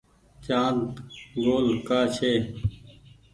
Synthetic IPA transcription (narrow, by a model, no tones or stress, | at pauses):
t͡ʃaːnt̪ɡoːlkaːt͡ʃʰeː